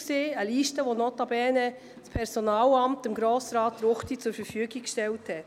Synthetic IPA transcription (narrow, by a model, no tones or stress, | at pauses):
seːəliːʃtəʋonɔtɑbɛːnə | spʰɛɾsonɑːlɑmtɪmɡɾoːsɾɑːtːɾʊχtit͡sʊɾfəɾfyəɡikkʃtɛlthɛt